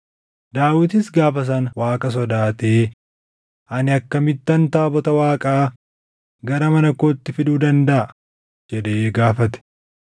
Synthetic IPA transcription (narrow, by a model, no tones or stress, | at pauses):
d̪aːwɪt̪̬ɪsɡaːfɐs̬ɐnwaːkʼɐs̬ɔd̪aːt̪eː | ʔɐnɪɐkːɐmɪt̪ːɐnt̪aːbɔt̪ɐwaːkʼaː | ɡɐɾɐmɐnɐkoːt̪ːɪfɪd̪uːd̪ɐnd̪ɐʔɐ | d͡ʒɛd̪eːɡaːfɐt̪ɛ̥